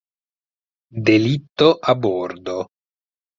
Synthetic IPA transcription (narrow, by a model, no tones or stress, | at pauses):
d̪elit̪ːoʔabɔrd̪o